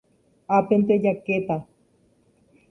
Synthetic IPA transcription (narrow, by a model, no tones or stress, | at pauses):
apent̪ed͡ʒaket̪a